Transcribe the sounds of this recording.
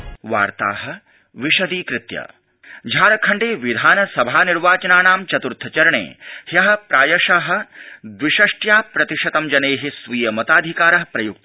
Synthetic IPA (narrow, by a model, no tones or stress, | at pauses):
ʋa̰ːɾt̪a̰ːɦɐ̆ | ʋiʃɐd̪iːkɾɪt̪jɐ̰ | d͡ʒʱaːɾɐkʰɐɳɖeːʋid̪ʱaːnɐsɐbʱaːniɾʋaːt͡ʃɐnaːnaːmt͡ʃɐt̪uɾt̪ʰɐt͡ʃɐɾɐɳḛːhjɐɦɐ̆pɾaːjɐʂaːɦɐ̆d̪ʋiʃɐʂʈjaːpɾɐt̪iʂɐt̪ɐmd͡ʒɐneːɦisʋiːjɐmɐt̪aːd̪ʱikaːɾɐɦɐpɾɐjuk̚t̪ɐ